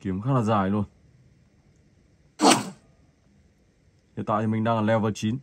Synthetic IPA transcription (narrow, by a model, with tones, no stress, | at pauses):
ki˨˦mkʰa˧˥na˧˨zaː˧˩jlu˧ən | ɛ˧˨t̪a̰˧˨i˧mi˨ŋda˧ŋa˨lɛ˧və˧t͡ɕi˨˦n